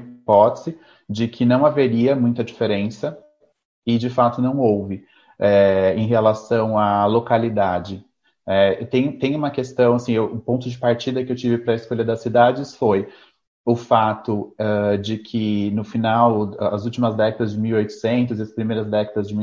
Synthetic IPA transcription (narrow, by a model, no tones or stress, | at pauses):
pɔt̪e̥zɪ | d͡ʒɪkʰɪnɐ̃w̃aveɾiɐmũj̃t̪ɐd͡ʒifeɾẽsɐ | ɪd͡ʒɪfat̪ʊnɐ̃w̃owvɪ | ɛẽj̃ɦelasɐ̃w̃alokalid̪ad͡ʒɪ | ɛt̪ẽj̃t̪ẽj̃ũmɐkest̪ɐ̃w̃asĩewʔʊpõnt̪ʊd͡ʒɪpaɾt͡ʃid̪ɐkɪewt͡ʃivɪpɾɐɪskoʎɐd̪ɐsːid̪ad͡ʒɪsfoj | ʊfat̪ʊɛd͡ʒɪkʰɪnʊfinawɐzuwt͡ʃimɐzd̪ɛkɐd̪ɐzd͡ʒɪmiwiojt̪ʊ̥sẽnt̪ʊziɐspɾimejɾɐzd̪ɛkɐd̪ɐzd͡ʒɪmi